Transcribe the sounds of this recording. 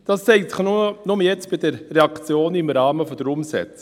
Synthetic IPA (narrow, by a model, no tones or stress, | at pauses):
d̥ɑsːɛɪtsɪ̥χnunʊməjɛt͡sb̥ɪdəɾːɛɑkt͡sjoːnɪmɾɑːməfɔd̥əɾʊmsɛ̰t͡s